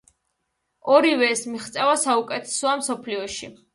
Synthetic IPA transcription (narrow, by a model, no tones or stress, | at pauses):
ɔɾivɛːsmiχt̪sʼɛvasaukʼɛt̪ʰɛ̥sɔamsɔpʰliɔʃi